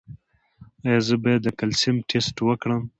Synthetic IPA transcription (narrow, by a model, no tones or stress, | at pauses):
ajɑzəbajad̪ːəkalsimʈʰesʈwəkɽəm